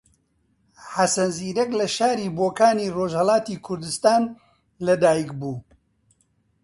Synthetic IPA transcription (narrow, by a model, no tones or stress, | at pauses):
ħasɐnziːɾɛklɐʃaːɾiːboːkaːniːroːʒhɐlaːt̪iːkʰʊɾd̪ɨst̪aːn | lɐd̪aːjikbuː